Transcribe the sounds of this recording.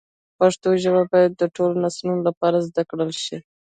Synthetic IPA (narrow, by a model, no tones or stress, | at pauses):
paʂt̪oʒaβabɑjad̪ːəʈolonasnunolapɑɾazd̪akɽəlʃi